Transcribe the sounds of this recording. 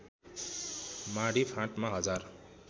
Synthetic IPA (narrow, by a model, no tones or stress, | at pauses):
maɽipʰãʈmaɦʌd͡zar